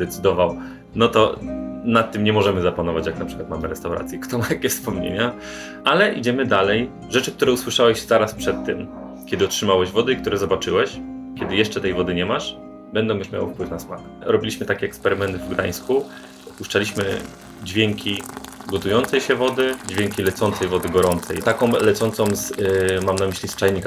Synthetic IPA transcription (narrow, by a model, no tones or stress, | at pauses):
d̪ɛt̪sɘd̪ɔvaw | nɔt̪ɔnat̪ːɘmɲɛmɔʐɛmɘzapanɔvat͡ɕjaknapʂɘ̥kwat̪mamɘɾɛst̪awɾa̰t̪sʲjɛkt̪ɔmat̪akʲɛfspɔmɲḛɲa | alɛʔid͡ʑɛmɘd̪alɛj | ʐɛt͡ʂɘk̚t̪uɾɛuswɘʂawɛʑzaɾaspʂɛt̪ːɘm | kʲɛd̪ɘɔtʂɘmawɛʑvɔd̪ɘikt̪uɾɛzɔbat͡ʂɘwɛɕkʲɛd̪ɘjɛʂt͡ʂɛt̪ɛjvɔd̪ɘɲɛmaʂ | bɛnd̪ɔ̃w̃juʂmʲja̰w̰fpwɘfnasmak | ɾɔbʲilʲiɕmɘt̪akʲɛɛkspɛɾɘmɛnt̪ɘvɡd̪a̰j̃sku | uʂt͡ʂalʲiɕmɘ̰ | d͡ʑvʲjeŋkʲiɡɔt̪ujɔnt̪sɛjɕɛvɔd̪ɘd͡ʑvʲjeŋkʲilɛt̪sɔnt̪sɛjvɔd̪ɘɡɔɾɔnt̪sɛ̰jt̪akɔ̃w̃lɛt̪sɔnt̪sɔ̃w̃zmamnamɘɕlʲist͡ʂajɲik